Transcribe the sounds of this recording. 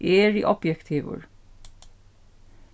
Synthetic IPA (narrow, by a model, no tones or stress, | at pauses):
ʔeːɹiʔɔpjɛkt̪ʰiːʋʊ̰ɹ